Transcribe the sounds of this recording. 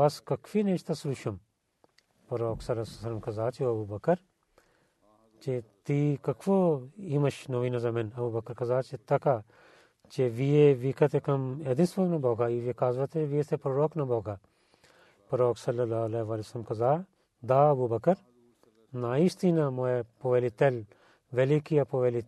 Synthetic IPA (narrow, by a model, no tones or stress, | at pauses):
ʋɐskɐkʰfineːt͡ʃʰt̪ɐsluʃɐm | pɐɾoːksɐlɐsɐsɐlɐmkɐzaːt͡ʃiɐbuːbɐkɐɾ | t͡ʃet̪iːkɐkʰfoimɐʃnɐʋiːnɐzɐmɐnɐbuːbɐkɐɾkɐzaːt͡ʃet̪ɐkaː | t͡ʃeʋieʋikɐt̪ekɐmed̪ɪnsʋɐlnɐboːɡaːiʋekaːzʋɐt̪eʋiet̪ʰepɾoɾoːknɐboːɡaː | pɐɾoːksɐlːɐlaːlɐʋaːlisɐlmkɐzaː | d̪aːɐbuːbɐkɐɾ | naːist̪inamoepoʋelit̪el | ʋelikiɐpoʋeli